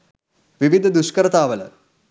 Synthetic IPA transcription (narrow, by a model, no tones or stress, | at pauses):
ʋiʋid̪ʱɐd̪uʂkɐɾɐt̪aːʋɐlɐ̰